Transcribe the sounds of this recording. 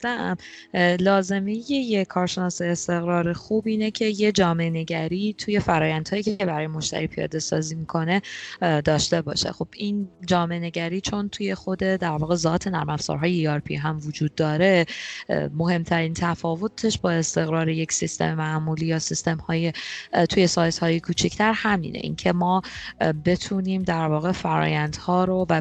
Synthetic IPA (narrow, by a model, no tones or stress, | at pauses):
æm | lɒːze̞mejejekʰɒːɾʃe̞nɒːseːst̪e̞ɣɾɒːɾe̞xubiːne̞cʰe̞je̞d͡ʒɒːme̞ʔene̞ɟæɾiːt̪ʰuje̞fæɾɒːjænd̪̥hɒːjiːcʰee̞bæɾɒːjemo̞ʃt̪ʰæ̰ɾiːpʰijɒ̰ːd̪e̞sɒ̰ːziːmikʰo̞ne̞d̪ɒːʃt̪e̞bɒ̰ːʃe̞̰xo̞b̥ind͡ʒɒːme̞ene̞ɟæɾiːt͡ʃʰo̞nt̪ʰuje̞xo̞d̪ed̪æɾvɒːɣe̞zɒːt̪ʰe̞næɾmæfz̥ɒ̰ːɾɦɒːjeiɒɾpʰḭɦæmvod͡ʒuːd̪ːɒːɾe̞ | mo̞ɦe̞mt̪ʰæɾint̪ʰæfɒːvo̞t̪ʰe̞ʃbɒːe̞st̪e̞ɣɾɒːɾeje̞csist̪e̞̰memæʔmuːliːjɒːsist̪e̞mhɒːjet̪ʰuːje̞sɒːjt̪hɒːjekʰuːt͡ʃʰict̪ʰæɾhæmḭːnʔḛʔḭncʰe̞mɒːbe̞t̪ʰuniːmd̪æɾvɒːɣe̞fæɾɒ̰ːjænd̪̥hɒːɾovæ